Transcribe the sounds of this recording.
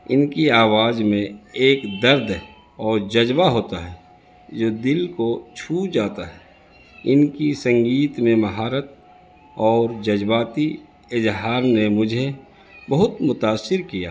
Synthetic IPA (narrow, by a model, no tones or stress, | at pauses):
ɪnkiaːwaːd͡ʒmẽeːkd̪əɾd̪ʱ | ɔːɾd͡ʒɐd͡ʒbaɦoːt̪aɦɛː | d͡ʒoːd̪ɪlkot͡ʃʰuːd͡ʒaːt̪aɦɛː | ɪnkisə̃ŋɡiːt̪mẽmɐɦaːɾət̪̚ | ɔːɾd͡ʒɐd͡ʒbaːt̪i | ɪzɦaːɾnemʊd͡ʒʱe | bɐɦʊt̪mʊt̪aːsːɪɾkija̰ː